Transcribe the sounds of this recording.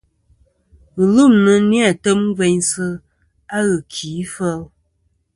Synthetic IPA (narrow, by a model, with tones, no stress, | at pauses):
n̩˨lu˦˨mnə˨nja˨tə˦m˦ve˨ɲsɨ˦ | a˦ɣə˨kʰi˨˦fə˦l